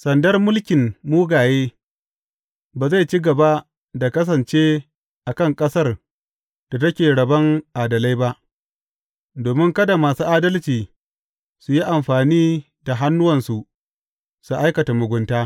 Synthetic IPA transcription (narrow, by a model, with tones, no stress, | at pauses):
sɐ˨ndɐ˦rmʊ˦lkʲɪ˨mmuː˦ɡaː˨jeː˦ | baː˨za˦˨jt͡ʃi˦ɡɐ˨ba˦ | da˨kɐ˦s̬ɐ˨nt͡ʃeː˦ | ʔa˨kɐ˦˨ŋkʼɐ˦sɐ˦˨r | d̥a˨tɐ˦kʲeː˨ɽɐ˨bɐ˦ŋʔaː˨dɐ˨la˦jba˦ʔ | doː˨mɪ˦ŋkɐ˦da˨maː˨suː˦ʔaː˦dɐ˦lt͡ʃiː˨ | su˨ji˦ʔa˨mɸaː˨niː˦ | da˨ɦa˦nːʊ˦wɐ˨nsu˨ʔ | su˨ʔa˦jkɐ˨ta˨mʊ˨ɡʷʊ˨ntaː˦